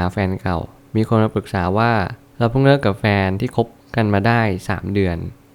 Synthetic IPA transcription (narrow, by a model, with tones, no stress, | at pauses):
a˩˦fɛː˧nka̰˨˩w | miː˧kʰo˧nmaː˧pɯ˨˩k̚saː˩˦waː˥˩ | ɾa˧wpʰuː˥˩ŋlɯ˥˩əkːa˨˩p̚fɛː˧nt̪ʰiː˥˩kʰo˦˥p̚ka˧nmaː˧daː˥˩jsa̰ː˩˦mdɯ˧ən